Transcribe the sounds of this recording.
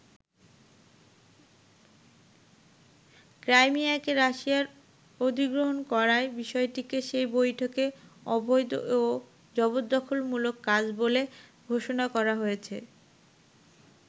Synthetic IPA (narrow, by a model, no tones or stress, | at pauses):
kɾajmiaɛkeɾaʃiaɾ | od̪ʱiɡɾoɦonkɔɾaebiʃɔeʈikeʃejbojʈʰokeɔbojd̪o̰o | d͡ʑɔbod̪ːɔkʰolmulokːad͡ʑboleɡʱoʃonakɔɾaɦojet͡ɕʰe